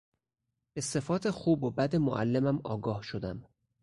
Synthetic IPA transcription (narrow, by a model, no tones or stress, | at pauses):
b̥e̞se̞fɒːt̪ʰe̞xuːbobæd̪emo̰ʔæ̰lːemæmɒ̰ːɡɒːhʃo̞d̪æm